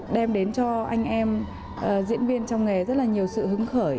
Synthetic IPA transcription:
ɗɛ˧mɗe˨˦nt͡ɕɔ˧ʔa˧jŋ̟ʔɛ˧m | ʔəː˨˩zḭ˧˥ənvi˧ənt͡ɕɔ˧wŋ͡mŋe˨˩zə˦˥t̚laː˨ɲi˨˩əwsɨ̰˧˨hɨ˨˦ŋxəː˧˩j

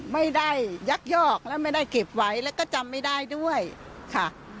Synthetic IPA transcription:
ma˥˩jda˥˩jːa˦˥k̚jɔː˥˩k̚lɛː˦˥wma˥˩jda˥˩jke˨˩p̚wa˦˥jlɛː˦˥wkɔː˥˩t͡ɕa˧mːa˥˩jdaː˥˩jdu˥˩əjkʰa˥˩

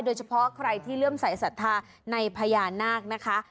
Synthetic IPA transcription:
doː˧jt͡ɕʰa˧pʰɔ˦˥kʰɾa˧jt̪ʰiː˥˩lɯ˥˩əmsa˨˩˦jsa˨˩t̪ʰːaː˧ | na˧jpʰaː˧jaː˧naː˥˩k̚na˦˥kʰa˦˥

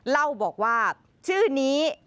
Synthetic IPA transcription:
la˥˩wbɔː˨˩k̚waː˥˩ | t͡ɕʰɯː˥˩niː˦˥

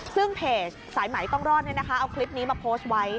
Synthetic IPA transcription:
sɯ˥˩ŋpʰeː˨˩t͡ɕ̚ | saː˩˦jma˩˦jk̪ɔː˥˩ŋɾɔː˥˩ni˥˩na˦˥kʰa˦˥ʔa˧wkʰli˦˥p̚niː˦˥maː˧pʰoː˦˥st̪̚wa˦˥j

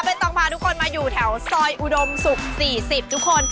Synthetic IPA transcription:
pe˧nt̪ɔ˨˧˩ŋpʰaː˧t̪ʰu˦˥kʰo˧nmaː˧juː˨˩t̪ʰɛ˩˦wsɔː˧jʔu˨˩do˧msu˨˩k̚siː˨˩si˨˩p̚t̪ʰu˦˥kʰːo˧n

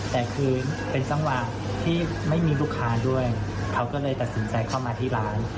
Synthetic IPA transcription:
t̪ɛː˨˩kʰɯː˧npe˧nsa˧ŋwa˨˩ | t̪ʰiː˥˩ | ma˥˩jmiː˧luː˥˩kʰːaː˦˥du˥˩əj | kʰa˦˥wkɔː˥˩lɤː˧jt̪a˨˩t̪̚si˩˦nt͡ɕa˧jkʰaː˥˩wmaː˧t̪ʰiː˥˩ɾaː˦˥n

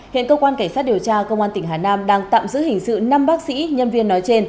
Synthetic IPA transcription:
hḭ˧˨ənkəː˧kwaː˧nka˧˩ŋsaː˦˥t̚ɗəwt͡ɕaː˧kə˧wŋ͡mʔaː˧t̪ï˧˩ŋ̟ɦaː˨˩naː˧mɗaː˧ŋt̪a̰ː˧˨mzɨ̰˧˥hï˨˩ŋ̟sɨ̰˧˨na˧mɓaː˦˥k̚sḭ˧˥ɲə˧nvi˧ənːɔ˨˦jt͡ɕe˧n

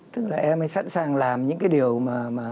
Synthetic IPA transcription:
t̪ɨ˦˥k̚laː˨˩ʔɛ˧mha˨˦jsa̰˧˥nsaː˨˩ŋlaː˨˩mɲɨ̰˧˥ŋkaː˨˦jɗi˨˩əwmaː˨˩maː˨˩

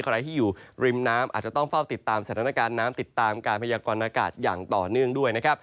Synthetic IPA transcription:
kʰa˧ɾa˧jt̪ʰiː˥˩juː˨˩ɾi˧mnaː˦˥mʔa̰ː˨˩t͡ɕa˨˩t̪ɔ˥˩ŋfa˥˩wt̪i˨˩t̪ːaː˧msa˨˩aː˧˦na˧kaː˧nːaː˦˥mt̪i˨˩t̪ːaː˧mkaː˧npʰa˧jaː˧kɔː˧nʔaː˧ka̰ː˨˩t̪̚ja̰ː˨˩ŋt̪ɔː˨˩nɯ˥˩əŋdu˥˩əjna˦˥kʰɾa˦˥p̚

